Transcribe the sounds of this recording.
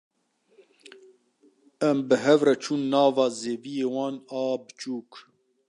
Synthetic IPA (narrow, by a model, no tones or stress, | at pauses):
ɛmbɨɦɛvɾɛt͡ʃʰuːnːɑːvɑːzeːvijeːwɑːnɑːbɨt͡ʃuːk